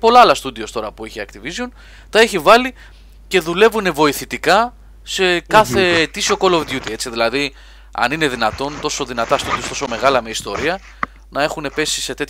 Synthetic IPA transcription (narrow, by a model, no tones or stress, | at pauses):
po̞lɐɐlɐst̪ud̪io̞st̪o̞ɾɐpueçiɐkt̪ivizjon | t̪ɐe̞çivɐli | ce̞ðule̞vune̞vo̞iθit̪ikɐ | se̞kkɐθe̞ːt̪isio̞ko̞lovd̪jut̪iett͡siðilɐði | ɐ̰nine̞ðinɐt̪o̞nt̪o̞so̞ðinɐt̪ɐst̪ud̪io̞st̪o̞so̞me̞ɣɐlɐmeist̪o̞ɾiɐ | nɐe̞xune̞pe̞si̥se̞t̪e̞t̪